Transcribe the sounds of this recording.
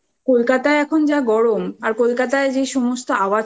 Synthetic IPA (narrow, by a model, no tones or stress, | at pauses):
kolkat̪aeɛkʰond͡ʑaɡɔɽomaɾkolkat̪aed͡ʑeʃɔmost̪oaba